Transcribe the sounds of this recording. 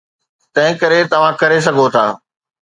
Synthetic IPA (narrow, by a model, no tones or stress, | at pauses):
t̪ɐ̃ɦɪ̃kɐɾet̪ɐʋ̤ãkɐɾes̬ɐɡʱot̪ʰaː